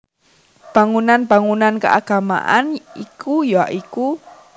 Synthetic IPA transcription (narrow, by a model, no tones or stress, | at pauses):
b̥aŋunanbaŋunanka̰ʔaɡ̥ama̰ʔanikʰujoaʔiku